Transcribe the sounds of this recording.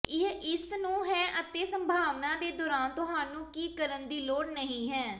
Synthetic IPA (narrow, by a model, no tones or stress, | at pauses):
ɪɦɪsnũːɦɛːʔət̪eːsəmbʱaːʋnaːd̪eːd̪ɔːɾaːnt̪ʊɦaːnũːkiːkəɾənd̪iːloːɽnəɦĩːɦɛː